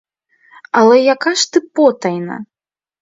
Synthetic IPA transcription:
ɐlʲɛjakaʂt̪ɨpɔt̪ɐjnɐ̰

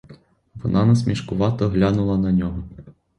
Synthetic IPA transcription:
ʋɔ̰nɑnɐs̬ʲmʲiʃkʊʋɑt̪ɔɦlʲanʊlˠɐnɐnʲɔɦɔ

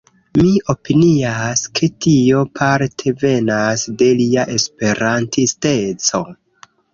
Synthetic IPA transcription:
miʔo̞piniaskʰe̞tʰio̞pʰaɾtʰe̞ve̞nasde̞liaʔe̞spe̞ɾantiste̞t͡so̞

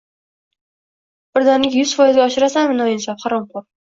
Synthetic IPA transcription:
b̥ɪɾd̪anɪkʲjʊzfɒjɪzɡʲaːʃɪɾasanmɪnajɪnsafχaɾɒmqoɾ

